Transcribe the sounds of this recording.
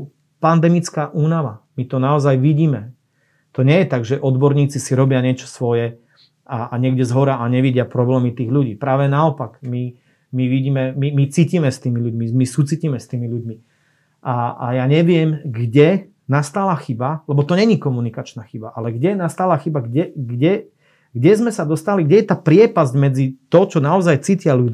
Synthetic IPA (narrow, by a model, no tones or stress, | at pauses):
pand̪ɛmit͡skaːʔuːnaʋamit̪ɔnaɔzajʋiɟiːmɛ | t̪ɔɲɛjɛt̪aɡʒɛʔɔd̪bɔɾɲiːt͡sisiɾɔbɪaɲɪɛt͡ʃɔ̥sʋɔjɛ | aaɲɪɛɡɟɛzɦɔɾaʔaɲɛʋiɟɪapɾɔblɛːmit̪iːɣʎuɟiːpɾaːʋɛnaɔpaɡmi | miʋiɟiːmɛmimit͡siːciːmɛst̪iːmiʎuɟmimisuːt͡siciːmɛst̪iːmiluɟmi | ʔaa̰jaːɲɛʋɪɛmɡɟɛ | nast̪aːlaxibalɛbɔt̪ɔɲɛɲikɔmunikat͡ʃnaxibaʔalɛɡɟɛnast̪aːlaxibaɡɟɛɡɟɛ | ɡɟɛzmɛsad̪ɔst̪aliɡɟʲɛjɛt̪aːpɾɪɛpazɟmɛd͡zit̪ɔt͡ʃɔnaɔzajt͡siːcɪaʎud̪